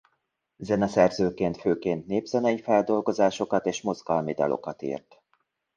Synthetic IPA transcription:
zɛnɛsɛrzøːkeːnt̪føːkeːnt̪neːbz̥ɛnɛjifɛld̪o̞lɡo̞zaːʃo̞kɒt̪eːʃmo̞zɡɒlmid̪ɒ̰lo̞̰kɒt̪ḭːrt̪

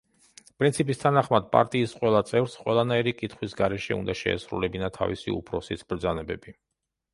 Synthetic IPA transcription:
pʼɾint̪sʰipʼist̪ʰanaχmad̪̚pʼa̰ɾt̪ʼiːsqʼwɛlˠat̪sʼɛvɾsqʼwɛlˠanaiɾikʼit̪ʰχwisɡaɾɛʃɛṵnd̪aʃɛ̰ɛ̰sɾṵlɛbinat̪ʰa̰visḭṵpʰɾɔsisʰbɾd̪zanɛbɛbi

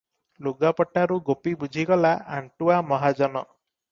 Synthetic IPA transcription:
luɡapɔʈaɾuɡopibud͡ʒʱiɡɔlaʔaɳʈuamɔɦad͡ʒɔnɔ

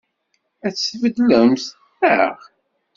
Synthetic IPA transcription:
æt͡sːvəd̪ləms | ə̰ʁ

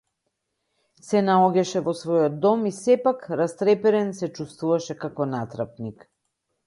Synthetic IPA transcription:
sɛnaɔɟɛʃɛvɔsvɔjɔd̪̚ːɔmisɛpakɾast̪ɾɛpɛɾɛnsɛt͡ʃust̪vuvaʃɛkakɔnat̪ɾap̚nik

